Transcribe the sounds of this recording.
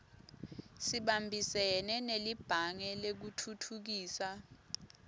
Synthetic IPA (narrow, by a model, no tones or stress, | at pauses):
siɓambʱisɛnɛnelib̥ʱaŋɛlek̬utʰutʰuk̬iːsa